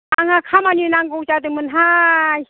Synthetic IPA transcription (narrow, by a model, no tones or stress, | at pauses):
aŋakʰamaninaŋɡowt͡ʃad̪ɯmɯnɦaj